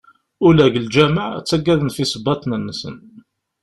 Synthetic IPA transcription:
ʊlæʝəld͡ʒæməʕ̰t͡sːæɡːæðənfisəbːɑt̪ˤnənːəsə̰n

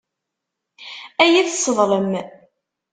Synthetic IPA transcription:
æjæθsˤːəðˤɾəm

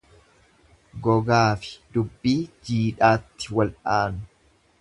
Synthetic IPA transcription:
ɡɔɡaːfɪ̥d̪ʊbːiːd͡ʒiːᶑaːt̪ːɪ̥wɐlʔaːnʊ̥

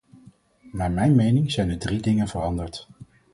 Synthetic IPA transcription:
naːɹmɛjnmejnɪŋzɛjnədridɪŋənvərɑndəɹt

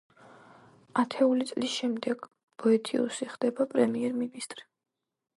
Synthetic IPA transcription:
at̪ʰɛulit̪sʼlisʃɛmd̪ɛɡ̥ | b̥ɔɛt̪ʰiṵsiχd̪ɛbapʼɾɛmiɛɾminist̪ʼɾi

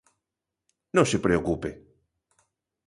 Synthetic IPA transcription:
nõŋsepɾeokupe

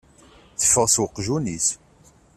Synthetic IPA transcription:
θə̥fːəʁswəqːʒunis

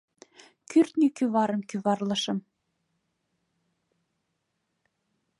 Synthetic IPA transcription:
kyrt̪nʲikyβɑɾɤ̆mkyβɑrlɤ̆ʃɤ̆m

